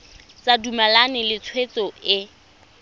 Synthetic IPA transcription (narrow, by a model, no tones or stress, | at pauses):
t͡sadumalanɪlɪt͡sʰwet͡sɔɪ